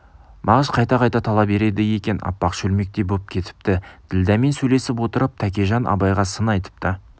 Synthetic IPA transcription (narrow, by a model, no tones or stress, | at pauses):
mʔɑʁəzqʰɑjt̪ɑqʰɑjt̪ɑt̪ʰɑlˠɑpbe̞ɾe̞d̪ɪje̞kʲe̞nɑ̰pːɑqʃɵlme̞k̚t̪e̞bop̚kʲʰe̞t̪ɪ̥p̚t̪ɪd̪̥ɪld̪æme̞nsɵjle̞sɪpwo̞t̪əɾəp̚t̪ʰækʲeʒɑnʔɑ̰bɑjʁɑsənɑjt̪ə̥p̚t̪ə